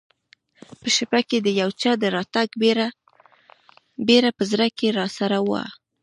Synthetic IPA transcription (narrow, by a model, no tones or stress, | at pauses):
pəʃɪpaked̪əjawt͡ʃɑd̪əɾɑt̪aɡ | beɾapəzɾakeɾɑsaɾawa̰